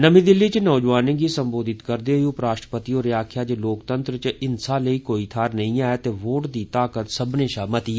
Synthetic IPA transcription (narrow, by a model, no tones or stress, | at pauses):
nəmĩːd̪ɪlːiːt͡ʃnɔːd͡ʒʋaːnẽɡiːsəmboːd̪ɪt̪kəɾd̪eːɦoiuːpɾaːʃʈəpət̪iːoːɾɪjaːkʰjaːt͡ʃəloːkt̪ənt̪ɾət͡ʃɪnsaːləiːkoːiːt̪ʰaːɾnəĩːaːet̪eːʋoːʈd̪iːt̪aːkət̪səbnẽːʃaːmət̪i